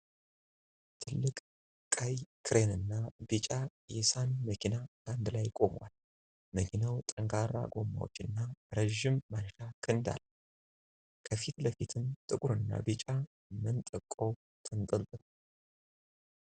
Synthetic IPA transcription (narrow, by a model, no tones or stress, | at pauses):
t̪ʰɨlːɨkʼ | kʼajkʰɨɾe̞nɨnːabit͡ʃʼajɛsanməkʰinaband̪lajkʼo̞mwa̰l | məkʰinawt̪ʼəŋɡaɾa̰ɡo̞mːa̰wo̰t͡ʃːɨnːaɾəʒːɪmːanːʃakʰɨnd̪a̰l | kʰəfit̪ləfit̪ʰɨnt̪ʼɨkʼuɾɨnːa̰bit͡ʃʼa | mɨnt̪ʼɨkʼːow | t̪ʰɨnt̪ʼɨlt̪ʼɨ